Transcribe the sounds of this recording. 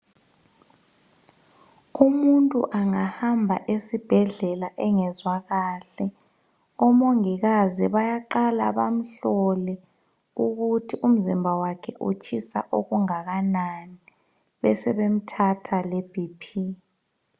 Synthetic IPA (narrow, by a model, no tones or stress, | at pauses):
umuntʼṵʔaŋahambʱa̰ʔesib̥ʱɛɮɛlaʔɛŋɛzwaɣaɬɛ | ɔmoŋiɣaziβajaǃala̰βam̩ɬɔlɛ | uɣutʰiʔum̩zimbʱawakʰɛ̰ʔṵt͡ʃʼʰisa̰ʔoɣuŋaɣanani | βɛsɛβem̩tʰatʰaleb̥ʱipʰi